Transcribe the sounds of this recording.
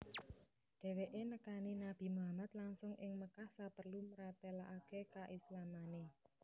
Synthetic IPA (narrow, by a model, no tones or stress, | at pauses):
ɖ̪̥ɛ̤weʔenəkaninab̥i̤muɦamat̪laŋsʊŋʔɪŋməkahsapərluməɾat̪elaʔakekaʔislamane